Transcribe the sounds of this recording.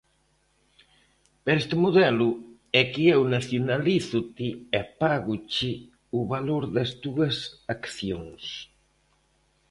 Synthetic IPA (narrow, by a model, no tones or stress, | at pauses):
peɾɛst̪ɪmuðɛlʊ | ɛkiɛwnaθjonaliθut̪iepaɣut͡ʃi | uβaloɾðɐsd̪uɐsakθjoŋs